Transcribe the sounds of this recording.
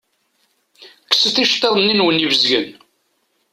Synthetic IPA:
kːə̥səθiʃt̪ˤəðˤnːinwənivəzɡə̰n

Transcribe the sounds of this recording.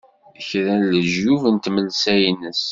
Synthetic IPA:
çɾæləʒjuvənt̪məlsæjnəs

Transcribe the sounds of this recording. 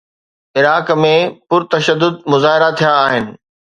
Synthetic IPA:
ɪɾaːkmẽpʊɾt̪ɐʃəd̪ːʊd̪̚mʊzaːɦɪɾat̪ʰijaːɦɪnɪ̆

